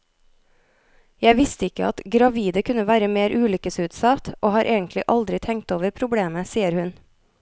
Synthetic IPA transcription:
jæɪʋɪst̪əɪkə̰ɑt̪ɡɾɑʋiːd̪əkʰʉnəʋæːɾəmeːɾʔʉːlʏkəsʉːt̪sɑt̪ʔoːhɑːɾʔeːɡənt̪lɪʔɑld̪ɾɪt̪ʰɛŋt̪oːʋəɾpʰɾʊbɽeːməsiːəɾhʉn

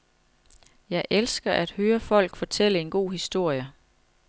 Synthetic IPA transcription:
jɑ̈ɪʔelsɡ̥ɐʔæd̥høːɐfɒ̽l̰ɡ̥fɒ̽t͡sʰel̰əe̝nɡ̥o̝̰ːhisd̥o̝ɐ̰jə

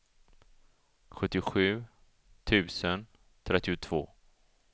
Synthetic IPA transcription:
ɧɵt̪ːɪʊɧʉ̟ː | t̪ʰʉ̟ːsən | t̪ʰɾɛt̪ːɪʊt̪ʰv̥oː

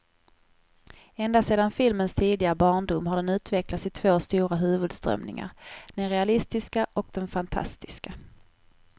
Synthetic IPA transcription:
ɛnd̪asseːd̪anfɪlmənst̪ʰiːd̪ɪɡaɾəbɑːɳɖʊmːhaɖɛnʉ̟ːt̪vɛklat̪sɪt̪ʰv̥oːst̪uːɾaɦʉ̟ːvɵd̪st̪ɾœ̰mnɪ̰ŋa̰ɾd̪̥ɛnɾɛalɪst̪ɪskaʔɔk̚d̪ɛnfant̪ʰa̰st̪ɪska

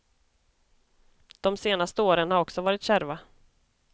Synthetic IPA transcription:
d̪̥ɔmseːnast̪əoːɾənhaɾɔksɔvɑːɾɪt̪ɕæɾva

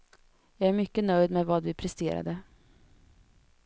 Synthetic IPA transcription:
jɑːɡæɾmʏkːənœjd̪mɛvɑːd̪vɪpʰɾɛst̪ḛːɾa̰d̪ə

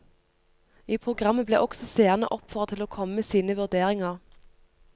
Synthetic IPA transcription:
iːpʰʁʊɡʁɑmːəblḛːʔɔɡsɔseːʁnə̰ʔɔpfœʁt̪ʰɪloːkʰɔməmeːsiːnəʋʉʁd̪eːʁɪŋɑʁ

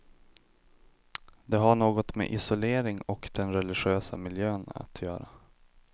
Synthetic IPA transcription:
d̪ɛɦaɳoːɡɔt̪mɛ̰ʔɪsʊleːɾɪŋɔkd̪ɛnɾɛlɪɧøːsa̰mɪljøːna̰t̪ʰjœːɾa

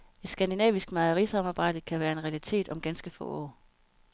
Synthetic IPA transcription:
e̝d̥sɡ̥ænd̥inɛ̰ːʋisɡ̥mɑ̈ðˠɐʁisɑ̈mɑ̈ːb̥ɑ̈ɪ̰d̥əkʰæʋæːɐe̝nʁɛælit͡sʰe̝̰ːd̥ɒ̽mɡ̥ænsɡ̥əfɔ̰̽ːɒ̰ː

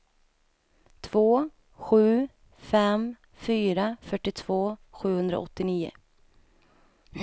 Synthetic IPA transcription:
t̪ʰv̥oː | ɧʉ̟ː | fɛm | fyːɾafœʈːɪt̪ʰv̥oːɧʉ̟ːhɵnd̪ɾa̰ɔt̪ːɪniːʊ̰

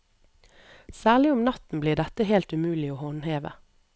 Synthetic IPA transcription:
sæːʁlɪʊmnɑt̪n̩bliːd̪ɛt̪əheːlt̪ʉmʉːlɪoːhonheːʋə̰

